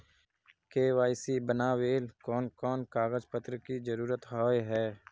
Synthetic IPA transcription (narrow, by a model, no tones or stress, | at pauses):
keːwaːɪsibənaːweːlkɔːnkɔːnkaːɣəzpət̪ɾəkizəɾuːɾət̪ɦɔːjɦɛː